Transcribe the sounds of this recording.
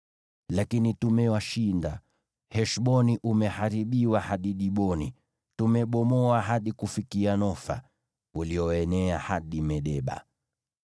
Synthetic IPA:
lakinitumɛwaʃinda | hɛʃɓɔniʔumɛhaɾiɓiwahaɗiɗiɓɔnḭ | tumɛɓɔmɔaɦaɗikufikianɔfa̰ | uliɔɛnɛahaɗimɛɗɛɓa̰

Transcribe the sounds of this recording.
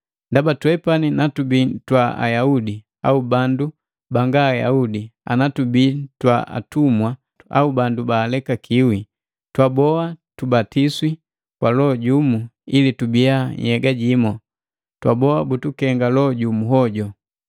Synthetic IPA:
ndabatwɛpaninatubitwaa̰jaudi | a̰ubandu | baŋɡaːja̰udia̰natubitwa̰a̰tumwa | a̰ubandubaːlɛkakʰiwi | twabɔatubatiswi | kwalɔɟumuilitubiaɲ̰hɛɡaɟimɔ | twabɔabutukɛŋɡalɔɟumuɦɔɟɔ

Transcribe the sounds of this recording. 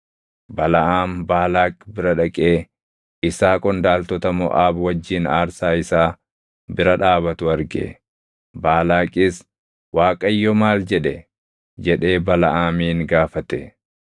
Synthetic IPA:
bɐlɐʔaːmbaːlaːkʼbɪɾɐᶑɐkʼeː | ɪsaːkʼɔnd̪aːlt̪ɔt̪ɐmɔ̰ʔaːbwɐd͡ʒːiːnaːɾsaːɪsaː | bɪɾɐᶑaːβɐt̪ʊɐɾɡɛ̰ | baːlaːkʼɪs | waːkʼɐjːɔmaːld͡ʒɛᶑɛ | d͡ʒɛᶑe̞ːbɐlɐʔaːmiːŋɡaːfɐt̪ɛ

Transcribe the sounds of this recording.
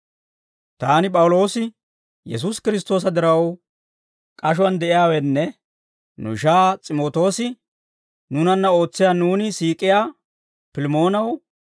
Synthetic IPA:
t̪aːnɪpʼɐwʊlo̞ːsɪ | jɛs̬uskɪɾɪs̬t̪o̞ːs̬ɐd̪ɪɾɐw | kʼɐʃ̬ʊɐnd̪ɛʔɪjaːwɛnːɛ | nʊ̰ʃaːt͡sʼɪmo̞ːt̪o̞ːsɪ | nʊnɐnːɐo̞ːt͡sːɪjaːnuːnɪsiːkʼɪjaː | pɪlɪmo̞ːnɐw

